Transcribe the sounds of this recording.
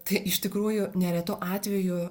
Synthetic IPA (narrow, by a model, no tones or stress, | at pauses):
t̪ɐɪʔɪʃt̪ʲɪkɾuːjʊnʲɛɾʲɛt̪oʔɑːt̪ʲʋʲɛjʊ